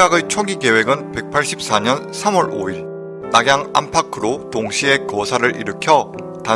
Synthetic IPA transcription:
aɡɯt͡ɕʰʌɡiɡe̞we̞ɡɯnpe̞k̚pʰaɭɕ͈ip̚s͈aɲʌn | sʰamwʌɾo̰iɭ | naɡjaŋa̰mpʰakʰɯɾotoŋɕʰie̞kʌsʰaɾɯɾʔḭɾɯkʰjʌ | ta

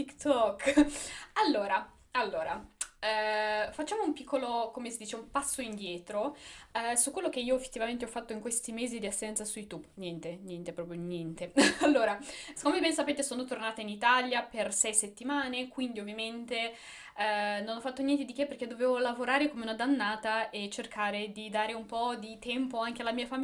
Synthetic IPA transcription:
t̪ikt̪ɔkː | alːoːɾa | alːoːɾaɛfat͡ʃːaːmoumpikʰːolokomesid̪iːt͡ʃeumpasːoind̪jɛːt̪ɾo | sukːwelːok̟eiːoefːe̥t̪ːivament̪eɔfːat̪ːoiŋkwest̪imeːzid̪iasːɛnt̪sasujut̪ubnjɛnt̪enjɛnt̪epɾɔːpɾjonjɛnt̪ealːoːɾaskomebɛnsapeːt̪esoːnot̪ornaːt̪ainit̪aljapersɛjset̪ːimaːnekwind̪iovːjament̪e | nonɔfːat̪ːonjɛnt̪̬ed̪ikepːerk̟ed̪oveːvolavoɾaːɾekomeunad̪anːaːt̪aʔet͡ʃerkʰaːɾed̪id̪aːɾeumpɔd̪it̪ɛmpoaŋkealːamiːafami

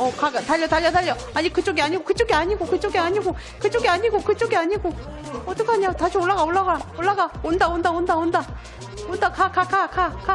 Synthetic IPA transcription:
ʌkaɡtaʎːʌtaʎːʌtaʎːʌ | aɲikɯt͡ɕ͈oɡiaɲiɡokɯt͡ɕ͈oɡiaɲiɡokɯt͡ɕ͈oɡiaɲiɡo | kɯt͡ɕ͈oɡiaɲiɡokɯt͡ɕ͈oɡiaɲiɡo | ʌt͈ʌkaɲajotaɕʰioɭːaɣaoɭːaɡaoɭːaɡaondaondaondaonda | ondakʰakʰakʰakʰakʰa

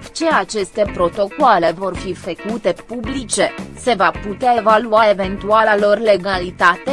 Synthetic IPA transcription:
t͡ʃe̞at͡ʃe̞st̪e̞pɾo̞t̪o̞koale̞vo̞rfifəkut̪e̞publit͡ʃe̞se̞vaput̪eae̞valuae̞ve̞nt̪ualalo̞rle̞ɡalit̪at̪e

